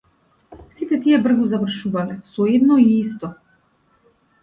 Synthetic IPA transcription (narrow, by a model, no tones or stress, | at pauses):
sit̪ɛt̪iɛbr̩ɡɔzavr̩ʃuvalɛsɔɛd̪nɔiist̪ɔ